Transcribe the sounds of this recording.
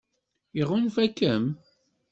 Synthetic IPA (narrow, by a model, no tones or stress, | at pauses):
iʁunfækːəm